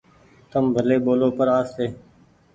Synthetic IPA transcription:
t̪əmbʱəleːɓoːlõːpəɾaːst̪eː

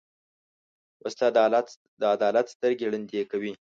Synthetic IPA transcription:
ʔəst̪a | d̪əad̪ɑlat̪st̪əɾɡeɽand̪ekawi

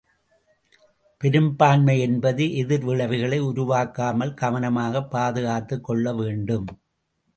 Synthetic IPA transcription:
pɛɾɯmbaːnmɐɪɛnbɐðɯʔɛðɪɾʋɪɭɐʋɪɣɐɭɐɪʊɾʊʋaːkːaːmɐlɡɐʋɐnɐmaːɣɐpːaːðɯɣaːt̪ːɯkːɔɭːɐʋeːɳɖɯm

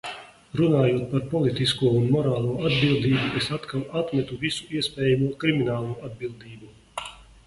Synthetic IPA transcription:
ɾunaːjuɔt̪̚paɾpɔlit̪iskuɔunmɔɾaːlˠuɔad̪bilˠd̪iːbuesat̪kalˠat̪mʲɛt̪uvisu̥iɛspʲɛːjamuɔkɾiminaːlˠuɔad̪̚bilˠd̪iːbu

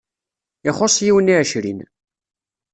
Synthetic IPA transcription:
ɪχosˤjiwəniʕʃɾḭn

